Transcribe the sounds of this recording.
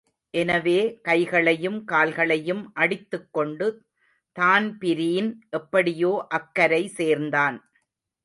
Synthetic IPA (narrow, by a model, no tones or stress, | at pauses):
ʔɛnɐʋeːkɐɪɣɐɭɐjɯmkaːlɣɐɭɐjɯmʔɐɽɪt̪ːɯkːɔɳɖɯ | t̪aːnpɪɾiːnʔɛpːɐɽɪjoːʔɐkːɐɾɐɪseːɾnd̪aːn